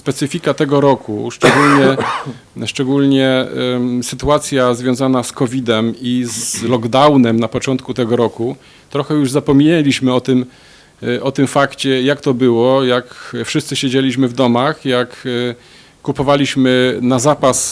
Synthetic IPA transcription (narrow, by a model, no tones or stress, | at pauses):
spɛt̪sɘfʲikat̪ɛɡɔɾɔkʰṵʂt͡ʂɛɡulɲɛ | ʂt͡ʂɛɡulɲɛ | sɘt̪uat̪sʲjazvʲjɔ̃w̃zanaskɔvʲid̪ɛmizlɔɡd̪awnɛmnapɔt͡ʂɔnt̪kut̪ɛɡɔɾɔku | t̪ɾɔxɛjuʐzapɔmʲiɲelʲiɕmɘɔt̪ɘm | ɔt̪ɘmfakt͡ɕɛjakt̪ɔbɘwɔjakfʂɘst̪sɘɕed͡ʑelʲiɕ̬mɘvd̪ɔmaxjakː | upɔvalʲiɕmɘnazapas